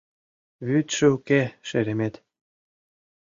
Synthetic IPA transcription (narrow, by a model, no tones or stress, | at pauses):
βyt̪ʃɘukeʃeɾʲemet̪